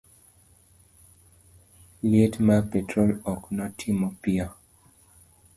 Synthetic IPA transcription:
lietmapetʰɹolɔknɔtʰimɔpia

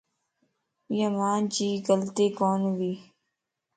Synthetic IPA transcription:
jəmaːnd͡ʑiːɡəlt̪eːkoːnʋiː

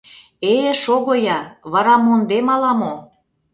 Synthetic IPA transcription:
eʃoɣojɑβɑɾɑmond̪emɑlɑmo

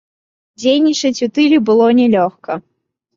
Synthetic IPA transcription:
d͡zʲejnʲit͡ʂɐt͡sʲut̪ɨlʲibɨlˠɔnʲɛlʲɔxkɐ

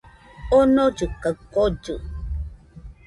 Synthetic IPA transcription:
onod͡ʒɨkakod͡ʒɨ

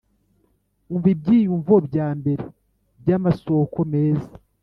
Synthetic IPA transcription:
uɱvib̚ɟiːjuɱvobɟaːmbe̞ɾe | bjamaso̞ːkʰo̞meːza

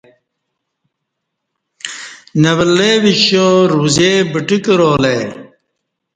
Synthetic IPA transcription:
nɐβɐleʋiɕoɾuːzebiʈikɾoːlej

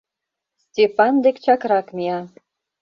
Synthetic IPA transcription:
stʲepɑnd̪ekt͡ɕɑkɾɑkmʲiɑ

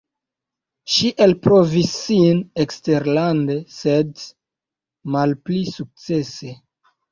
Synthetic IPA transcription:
ʃiʔelpɾovisːinekste̞ɾlande̞sed | malplisuk̚t͡se̞se̞

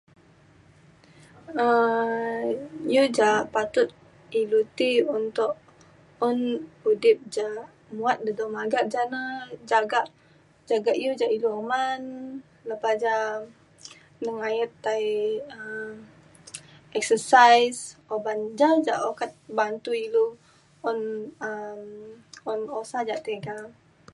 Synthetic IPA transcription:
ə | jud͡ʒaʔpat̪ʊt̪̚ | ilut̪iunt̪ʊʔ | ɔnudɪp̚d͡ʒa | muat̪̚dədɔmaɡaʔd͡ʒanad͡ʒaɡaʔ | d͡ʒaɡaʔjud͡ʒaʔiluoman | lapad͡ʒa | nəŋajət̪ːajə | ɛk̚səsajsoband͡ʒad͡ʒaʔokat̪̚bant̪uilu | ɔnəmɔnosad͡ʒaʔt̪eɡa

